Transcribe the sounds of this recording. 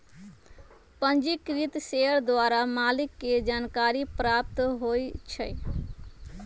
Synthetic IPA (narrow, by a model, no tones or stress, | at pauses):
pənd͡ʒikɾit̪seəɾd̪waɾamalikːed͡ʒankaɾipɾap̚t̪ɦojt͡ʃʰəj